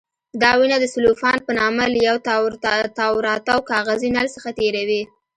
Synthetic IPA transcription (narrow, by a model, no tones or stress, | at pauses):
d̪ɑwinad̪əsʊlufɑnpənɑmaləjawt̪t̪ɑwɾɑt̪awkɑɣazinalsəxat̪eɾawi